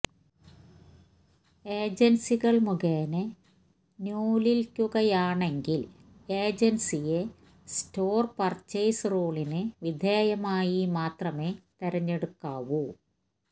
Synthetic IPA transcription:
eːd͡ʑensiɣɐɭmuɣeːnɨ | nuːlilkʲːuɣɐjaːɳe̞ŋɡil | e̞ːd͡ʑensije | stoːrpɐrt͡ɕejsro̞ːɭinɨʋid̪ʱeːjɐmaːjimaːt̪rɐme̞ːt̪eɾɐɲːeɽukːaːʋu

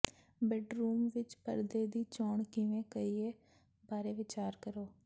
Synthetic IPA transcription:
bɛːɖɾuːmʋɪt͡ʃpəɾd̪eːd̪iːt͡ʃɔːɳkɪʋẽːkəiːeː | baːɾeːʋɪt͡ʃaːɾkəɾoː

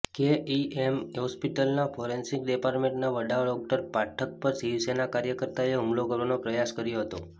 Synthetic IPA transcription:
keiemɦɔspiʈəlnafʰɔɾensiŋkɖepaɾʈmẽɳʈnaʋəɖaʋəɭɔk̚ʈəɾpaʈʰək̚pəɾsiʋsenakaɾjəkəɾt̪aeumlokəɾʋanopɾəjaskəɾjoɦət̪o

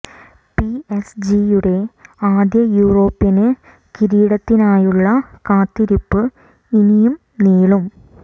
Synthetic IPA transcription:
piesd͡ʑijuɽe̞aːd̪jɐjuːro̞ːpːinɨ | kiɾiːɽɐt̪ːinaːjuɭːɐkaːt̪ːiɾipːɨ | inijum | niːɭum

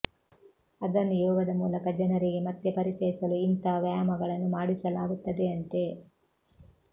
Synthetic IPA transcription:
ɐd̪ɐnːujɔːɡɐd̪ɐmuːlɐkɐd͡ʒɐnɐɾiɡemɐt̪ːepɐɾit͡ʃɐjisɐluint̪ɐʋjaːmɐɡɐɭɐnːumaːɽisɐlaːɡut̪ːɐd̪e̞ɐnt̪e̞

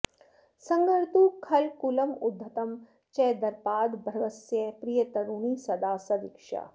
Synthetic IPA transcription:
sɐ̃ŋɡɐɾt̪ukʰɐlkulɐmʊd̪ʱːɐt̪ɐm | t͡ʃɛːd̪ɐɾpaːd̪bʱɾɐʋɐsjepɾijɐt̪ɐɽuːnisɐd̪aːsɐd̪ikʃa̰

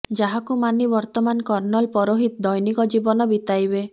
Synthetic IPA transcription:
d͡ʒaɦakumanibɔɾt̪ɔmankɔɾnɔlpɔɾoɦit̪d̪ɔjnikɔd͡ʒibɔnɔbit̪ajbe

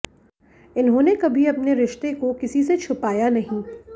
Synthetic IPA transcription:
ɪnɦõːnekɐbʱiɐpneɾɪʃt̪ekokɪsis̬et͡ʃʰʊpaːjanɐɦĩ

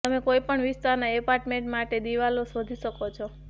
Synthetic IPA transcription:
t̪əmekoipəɳʋist̪aɾnaepaɾʈmẽɳʈmaʈed̪iʋalosod̪ʱiʃəkot͡ʃʰɔ

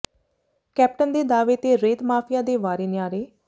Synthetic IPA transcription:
kɛːp̚ʈənd̪eːd̪aːʋeːt̪eːɾeːt̪maːpʰɪjaːd̪eːʋaːɾeːnɪjaːɾeː

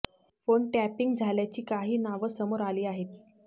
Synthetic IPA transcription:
foɳʈæpiŋɡd͡zʱaljat͡ɕiːkaɦiːnaʋəsəmoɾaliːaɦet̪̚

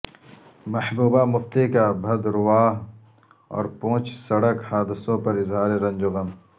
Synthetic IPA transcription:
mɐħbuːbaːmʊft̪ekabʱɐd̪ɾʊwaːɦ | ɔ̰ːɾpõːt͡ʃsɐɽəkhaːd̪ɪsõːpɐɾɪzɦaːɾeɾɐ̃nd͡ʒʊɣɐm

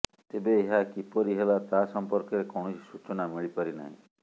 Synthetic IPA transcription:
t̪ebeːɦakipɔɾiɦelat̪asɔmpɔɾkeɾekɔwɳ̃oi̥sut͡ʃɔnamiɭipaɾina̰ɦḭ̃

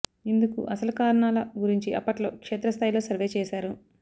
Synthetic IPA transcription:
ind̪ukṵʔɐsɐlukaːɾɐɳaːlɐɡuɾiɲt͡ʃiʔɐpːɐʈlo̞ːkʂeːt̪ɾɐst̪ʰaːjilo̞ːsɐɾʋe̞ːt͡ʃɛːʃaːɾu

